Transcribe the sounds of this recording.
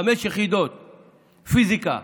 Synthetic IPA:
ameʃjeχid̪ot̪̚ | fizika̰

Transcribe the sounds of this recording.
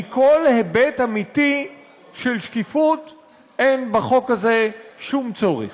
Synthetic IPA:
iko̞lhebetamiti | ʃelʃkifut | ʔenbaχo̞khaze̞ʃumt͡so̞ʁḛ

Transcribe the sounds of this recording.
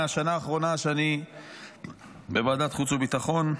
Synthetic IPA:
aʃanaːχʁo̞naʃeani | bevad̪at̪χut͡subit̪aχo̞n

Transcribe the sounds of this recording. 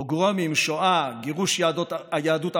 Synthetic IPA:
oɡʁomimʃoaɡeʁuʃjaːd̪ot̪ajaːd̪ut̪

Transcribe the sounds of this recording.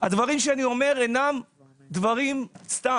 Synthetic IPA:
ad̪vaʁimʃeanio̞me̞ʁenam | d̪vaʁimst̪a

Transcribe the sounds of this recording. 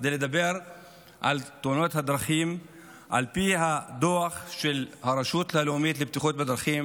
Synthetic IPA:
kd̪ejled̪abeʁ | ʔa̰lt̪ounot̪had̪ɾaχim | ʔa̰lpiɦad̪oaχʃelhaɾaʃut̪laleumit̪lebt̪iχot̪bed̪ɾaχim

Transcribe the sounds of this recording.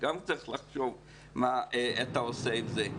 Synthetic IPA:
ɡamt͡sɐiχlaχʃov | maat̪aoseivze

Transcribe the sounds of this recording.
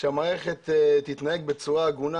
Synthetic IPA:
ʃeamaːʁeχet̪et̪ːit̪najeɡ̚bet͡suʁaɡuna

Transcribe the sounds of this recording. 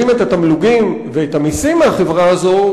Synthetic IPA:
imet̪at̪amluɡim | veet̪amisimːeaχe̞vʁaazo̞

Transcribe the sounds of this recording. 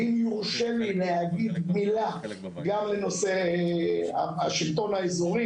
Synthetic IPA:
imjuʁʃevilehaɡid̪mila | ɡamleno̞se | a̰aʃilt̪o̞naezoʁi

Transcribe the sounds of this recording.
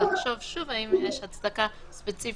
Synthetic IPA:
aχʃɔvʃuvaimjɛʃhat͡sd̪aka | spɛt͡sif

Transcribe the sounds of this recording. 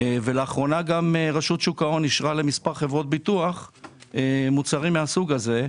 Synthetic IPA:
veleaχʁo̞naɡameʁaʃut̪ʃukao̞nːiʃʁale̞mispaʁχevʁo̞t̪̚bit̪uaχemut͡saʁimːeasuɡaze̞

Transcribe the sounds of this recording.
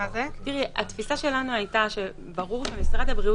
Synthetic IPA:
azet̪iʁea̰t̪fisaʃe̞lanuajt̪aʃe̞ | baʁuʁbemisʁad̪habʁiu

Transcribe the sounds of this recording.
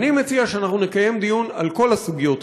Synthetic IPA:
nime̞t͡siaʃeanaχnune̞kaje̞md̪ijuna̰lko̞lasuɡijot̪

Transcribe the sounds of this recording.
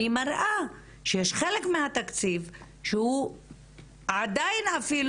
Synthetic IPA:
imaɾʔa | ʃejeʃχelekmehat̪akt͡siv | ʃeu | ad̪ajnafil

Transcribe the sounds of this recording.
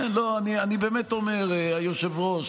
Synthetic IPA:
loanianibeːmet̪o̞meʁeajoʃevʁoʃ

